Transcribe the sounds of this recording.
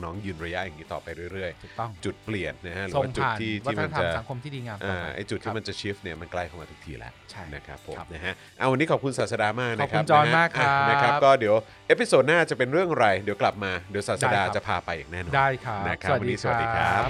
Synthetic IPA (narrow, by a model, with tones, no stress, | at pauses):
nɔː˦˥ŋjɯː˧nɾa˧ja˦˥ʔjaː˨˩ŋniː˦˥t̪ɔ̰ː˨˩pa˧jɾɯ˥˩ə˨jɾɯ˥˩əjʰu˨˩t̪ɔ˥˩ŋt͡ɕu˨˩t̪̚pli˨˩ənːa˦˥ha˦˥ɾɯː˩˦swːŋ˧t͡ɕu˨at̪ːʰiː˥˩t̪aː˧˥˩tʰa˥˩˧t̪at͡ɕa˨˩˨sa˨˩˦ŋkʰo˧mt̪ʰi˥˩diː˧ŋaː˧ʔaː˧˩ʔa̰˨˩jt͡ɕu˨˩t̪ʰːiː˦˥˩m˧nt͡ɕa˨˩t͡ɕʰi˦˥fni˥˩ɐma˧nkla˥˩jkʰa˧˩maː˧u̥˦˥k̚t̪ʰiː˧˩lɛ̰˦˥wt͡ɕʰna˦˥kʰa̰˦˥pʰːo˨˩˦mna˦˥ɦʰa˦˥ | ʔa˧˩wa˧nːiː˦˥kʰɔː˨˩kʰu˧nsaː˨t̪̚sa˧daː˧maː˥˩k̚na˨˥kʰau˦˥˧nɔaː˧a˦a˥˩kʔa˧˩na˦kʰa˦˥pkɔː˥˩di˨˩˦əw | ʔeː˦˥pi˨˧soː˨˩t̪̚naː˥˩t͡ɕa˨˩pe˧nɾɯ˥˩əŋ˧ɾa˧jdi˩˦wkla˨˩p̚maː˧di˩˦wsa˨˩t̪sa˧daː˧t͡ɕa˨˩pʰaː˧pa˧jaː˨˩ŋnɛː˥˩nɔː˧˨a˧˥˩jkʰna˦˥kʰa˦˩wanːi˦˥sa˨wa˩˦diː˧kʰaː˧˩